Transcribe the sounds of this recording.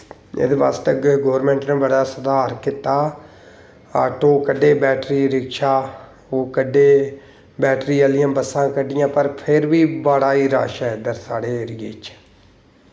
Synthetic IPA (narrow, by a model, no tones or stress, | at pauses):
ɪ̰d̪ʋaːst̪əkɡoːəɾmɛ̃ːɳʈnẽːbəɽaːsəd̪aːɾkɪt̪aː | aːʈoːkəɖeːbɛːʈɾiːɾɪkʃaː | oːkəɖeː | bɛːʈɾiːəlɪjãːbəsːãːkəɖɪjãːpəɾpʰɪɾʋiːbaːɽaːiːɾa̰ːʃɛːɪd̪əɾsaːɽeːɾɪjeːt͡ʃ